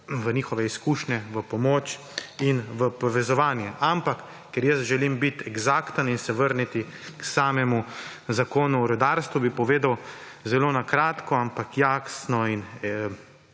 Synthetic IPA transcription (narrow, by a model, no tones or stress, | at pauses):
ʋəniːxɔʋɛiskuːʃnɛʋəpɔmoːt͡ʃ | inʋəpɔʋɛzɔʋaːnjɛʔampakː | ɛɾjəsʒɛlimbit̪ɛɡzaːkt̪əninsɛʋəɾnit̪i | ksaːmɛmu | zakoːnuɔɾɔd̪aɾst̪ʋubipɔʋeːd̪aw | zɛloːnakɾaːt̪kɔampakjaːxsnɔin